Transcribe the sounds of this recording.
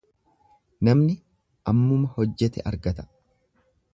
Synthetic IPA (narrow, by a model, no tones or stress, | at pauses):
nɐmnɪ | ʔɐmːʊmɐhɔd͡ʒːɛt̪ɛʔɐɾɡɐt̪ɐ̥